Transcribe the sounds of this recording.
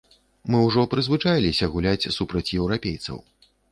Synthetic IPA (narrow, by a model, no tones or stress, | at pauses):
mɨwʐɔpɾɨzvɨt͡ʂajlʲisʲɐɣulʲat͡sʲsupɾɐt͡sʲjɛwɾapʲejt̪sɐ̰w